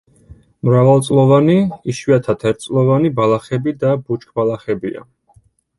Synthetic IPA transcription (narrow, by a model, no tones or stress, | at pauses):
mɾavalˠt̪sʼlˠɔvaniiʃwiat̪ʰat̪ʰɛɾt̪̚sʼlˠɔvanibalˠaχɛbid̪abut͡ʃʰkʰʼbalˠaχɛbia̰